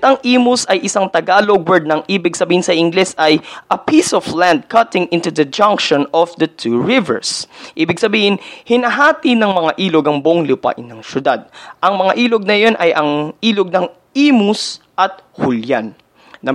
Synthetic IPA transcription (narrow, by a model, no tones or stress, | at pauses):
t̪ɐŋʔiːmʊsɐjʔɪsaŋt̪ɐɡaːloɡwɛɹd̪̚nɐŋʔiːbɪɡ̚sɐbiːhɪnsɐʔɪŋɡlɛsɐjʔɐpisɔfland̪̚kʰɐt̪ɪŋʔɪ̃nt̪ud̪ɐd͡ʒɐ̃ŋkʃonɔfd̪ɐt̪ʰuːɹɪvɛ̰ɹsʔiːbɪɡsɐbiːhɪnhɪnɐɦaːt̪inɐŋmɐŋaʔiːloɡɐŋboʔŋlʊpa̰ʔɪnːɐŋʃjʊd̪ad̪̚ʔɐŋmɐŋaʔiːloɡ̚nɐjo̞nʔɐjʔɐŋʔiːloɡ̚nɐŋ | iːmʊsʔɐt̪̚hʊljanː | ɐ